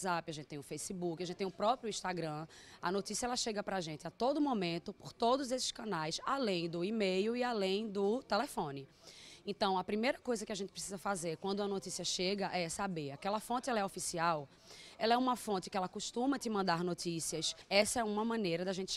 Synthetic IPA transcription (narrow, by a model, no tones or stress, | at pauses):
zapɪaʒẽt̪ɪt̪ẽj̃ʊfejsɪbukɪaʒẽt̪ɪt̪ẽj̃ʊpɾɔpɾjʊĩʃt̪aɡɾɐ̃ɐnot̪isiɐɛlɐʃeɡɐpɾaʒẽnt̪ɪat̪od̪ʊmomẽnt̪ʊpoɾt̪od̪ʊzesɪ̥ʃkɐ̃najsalẽj̃d̪ʊimejʊialẽj̃d̪ʊt̪elefõnɪ | ẽt̪ɐ̃w̃ɐpɾimejɾɐkojzɐkɪaʒẽt̪ɪ̥pɾe̥sizɐfazeɾkwɐ̃nd̪ʊɐnot̪isiɐʃeɡɐʔɛsabeɾakɛlɐfõnt̪ɪɛlɐɛofisiaw | ɛlɐɛũmɐfõnt̪ɪkɪɛlɐkuʃt̪ũmɐt̪ɪmɐ̃nd̪aɾnotisiɐsɛsɐɛũmɐmɐ̃nejɾɐd̪aʒẽnt̪ɪ